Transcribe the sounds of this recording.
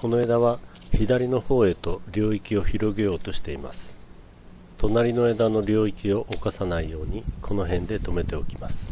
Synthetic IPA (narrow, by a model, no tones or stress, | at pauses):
ko̞no̞e̞ːd̪aβa | çid̪aɾʲino̞ho̞ːe̞t̪o̞ɾʲo̞ːikʲio̞çiɾo̞ɡe̞jo̞ːt̪o̞ɕi̥t̪e̞ima̰sɨ̥ | t̪o̞naɾʲino̞e̞ːd̪ano̞ɾʲo̞ːikʲio̞ʔokasanaijo̞ːɲ̟ikʰo̞no̞ɦẽ̞nd̪e̞t̪o̞me̞t̪e̞okʲimasɨ̥